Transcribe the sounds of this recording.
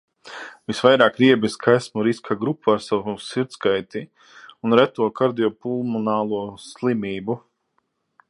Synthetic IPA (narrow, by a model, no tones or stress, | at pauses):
visvajɾaːkɾiɛbiskʰajsmuɾiskʰaɡɾupʰːuaɾsawusiɾt̪skajt̪i | unɾæt̪uɔkaɾd̪ijɔpulˠmɔnaːlˠuɔslˠimiːbu